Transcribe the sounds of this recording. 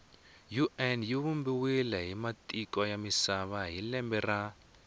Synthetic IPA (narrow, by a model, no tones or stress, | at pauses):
juʔɛnjiβumbiwilɛɦimatʼikwajamisaβaɦilɛmbɛra